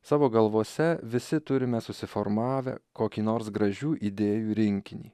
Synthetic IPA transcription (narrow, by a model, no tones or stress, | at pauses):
sɑːʋoːɡɐlˠʋoːsʲɛʋʲɪsʲɪt̪ʊɾʲɪmʲɛsʊsʲɪfoɾmɑːʋʲɛ̰koːkʲiːnoːɾsɡɾɐʒʲuːʔid̪ʲeːjuːɾʲɪŋʲkʲɪnʲḭː